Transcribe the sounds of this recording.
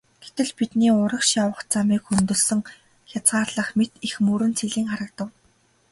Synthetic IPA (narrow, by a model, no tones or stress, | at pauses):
ɡ̥et̪ɘ̆ɮpit̪niːʊɾə̆kʃjawə̆χt͡samiːkxɵnt̪ɵ̆ɮsɵ̆ŋ | xʲjat͡sɢaːrɮə̆χmet̪ixmuɾɘ̆nt͡sʰeɮiːŋχaɾə̆k̚t̪ə̆w